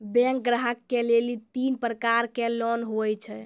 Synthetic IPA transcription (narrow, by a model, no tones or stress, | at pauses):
bɛ̃ŋk̚ɡɾaɦəkːelelit̪inpɾəkaɾkelɔnɦojt͡ʃʰɛ